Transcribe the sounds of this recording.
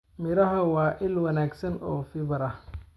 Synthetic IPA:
mɪɾɐɦɐwɑːʔɪlwɐnaːɡsɐnɔːfɪβɐɾɐ

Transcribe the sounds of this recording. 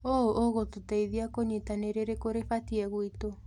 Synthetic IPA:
oʔoɣotutaiðiakoɲetaneɾeɾekoɾefatiɛɣwito

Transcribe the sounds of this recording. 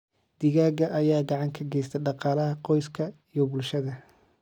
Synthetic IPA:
d̪̥ɪɣaːɡɐʔɐjaːɡɑʕɑŋkʰɐɡɛjst̪ʰɛɖɑqɑːlɐɦɐqɔjskʰɐijɔbʊlʃɐðɐ

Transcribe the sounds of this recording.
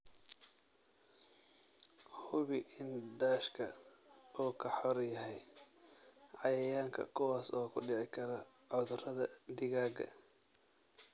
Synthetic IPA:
hʊβɪʔɪndaːʃkʰɐ̰ | uːkʰɐħɔrjɐɦɛj | ʕɑjɐjaːŋkʰɐ̰kʰʊwaːsɔːkʰʊɖɪʕɪkʰɐɾɐ | ʕɔðʊrɐðɐd̪ɪɣaːɡɐ̰

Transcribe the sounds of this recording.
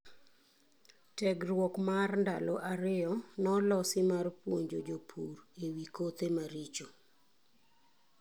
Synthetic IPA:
tɛɡrwɔkmarnda̰loʔaɾɪɔnɔlɔsɪmarpwoɲd͡ʒod͡ʒopʰurewikot̪emaɾit͡ʃo

